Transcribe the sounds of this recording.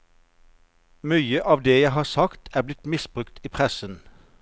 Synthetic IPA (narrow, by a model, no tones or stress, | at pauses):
myːəʔɑːʋd̪eːjæɪɦɑːʁsɑkt̪ʰæːʁblɪt̪mɪsb̥ʁʉkt̪ʰiːpʰʁɛsən